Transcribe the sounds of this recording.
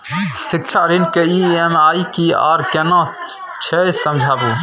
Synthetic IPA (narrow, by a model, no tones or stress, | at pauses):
sik̚t͡ʃʰaɾinkeiemaːikia̰ɾkena | t͡ʃʰɛjsəmd͡ʒʱaːbu